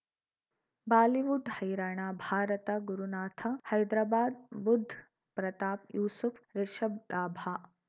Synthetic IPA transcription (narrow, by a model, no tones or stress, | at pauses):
baːliʋuɖhɐjɾaːɳ̃aːbʱaːɾɐt̪ɐɡuɾunaːt̪ʰɐhɐjd̪ɾaːbaːd̪̚bud̪ʱː | pɾɐt̪aːpjuːsufɾeʃɐb̚laːbʱaː